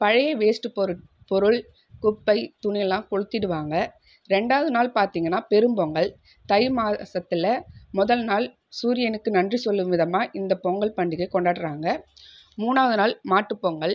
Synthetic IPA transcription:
pɐɻɐjɐʋeːsʈɯpːɔɾɯ | pɔɾɯɭ | kʊpːɐɪt̪ʊnɪjɛlːãːkɔɻɯt̪ːɪɽɯʋaːŋɡɐ | ɾɛɳɖaːðɯnaːlpaːɾt̪iːŋɡɐnːaːpɛɾɯmbɔŋɡɐɭ | t̪ɐɪmaːsɐt̪ːɪlɐmʊðɐlnaːl | suːɾɪjɐnɯkːɯnɐndrisɔlːɯʋɪðɐmaːʔɪnd̪ɐpɔŋɡɐɭpɐɳɖɪkɐɪkɔɳɖaːʈːɯɾaːŋɡɐ | muːnaːɐðɯnaːlmaːʈːɯpːoŋɡɐɭ

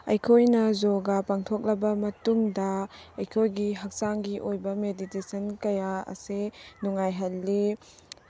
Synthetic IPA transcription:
ɐjkʰojnɐzoɡapaŋtʰɔk̚lɐbɐmɐtuŋdɐɐjkʰojɡiɦɐk̚saŋɡiʔojbɐmeditesɐnkɐjaɐ̰senuŋajɦɐlːi

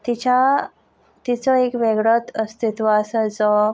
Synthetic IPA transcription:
t̪it͡ɕa | t̪it͡səekʋeɡɽət̪əst̪it̪ʋaəsat͡sɔ

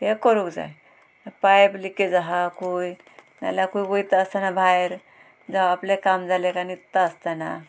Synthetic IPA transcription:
t̪ekɔɾukd͡za̰j | pajbliked͡zaɦakuj | na̰lakujbojt̪aəst̪anabʱajɾ | d͡zaɦaaplekamd͡zalekanit̪ːaəst̪ana̰

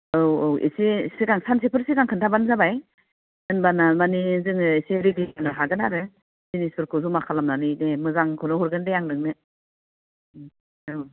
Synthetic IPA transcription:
ɯwoḭsesiɡaŋsansepʰɯɾsikaŋkʰɯntʰabanzabaj | ɯnbanamanizɯŋɯiseɾiɡianɯɦaɡɯnaɾɯ | sinisuɾkʰɯsumakʰalamnanɯjnemɯzaŋkʰɯnɯhɔɾɡɯndejaŋnɯŋnɯ | aɾɔ

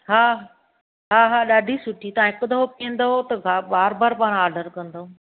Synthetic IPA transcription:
ɦaː | ɦaːɦaːɗaːɖʱisʊʈʰit̪ɐʋãɦɪkʊd̪ɐɦopiə̃nd̪oot̪ɐɡʱaɓaːɾbaːɾpaːɽ̃aːɾɖəɾkɐ̃nd̪oo

